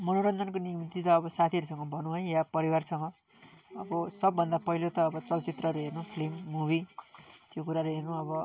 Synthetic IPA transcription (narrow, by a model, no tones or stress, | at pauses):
mʌnoɾʌnd̪ʱʌnkonimit̪it̪ʌːbʌsat̪ʰiʌɾusʌŋɡʌbʱʌnũɦʌ̃japʌɾiwarsʌŋɡʌ | ʌbʌsʌbːʱʌnd̪apʌɦilot̪ʌːbʌt͡sʌlt͡sit̪rʌɾuɦernupʰlimːubʱit̪jokuɾaɾoɦernuʌβʌ